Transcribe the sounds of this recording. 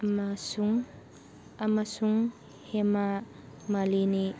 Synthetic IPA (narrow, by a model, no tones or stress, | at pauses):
masuŋ | amasuŋ | hema | malini